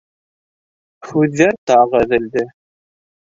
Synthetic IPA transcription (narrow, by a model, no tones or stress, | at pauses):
hʉðːæɾt̪ɑʁæðɘ̆ld̪ɘ